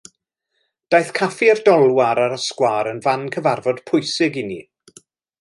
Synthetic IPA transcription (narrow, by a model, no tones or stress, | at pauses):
d̥ajθkʰafiərdɔlˠwaɾaɾəskwaɾənvankʰəvarvɔd̥pʰʊjsɪɡɪni